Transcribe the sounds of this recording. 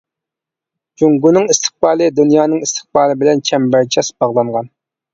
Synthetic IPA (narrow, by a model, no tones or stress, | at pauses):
d͡ʒuŋɡunɨŋist̪ʰɨ̥χ̚bɑːlˠɨd̪unjɑːnɨŋist̪ʰɨ̥χbɑːlˠɨbɪlɛnt͡ʃʰɛmbæɾt͡ʃʰɛsbɑʁlˠɑɴʁɑn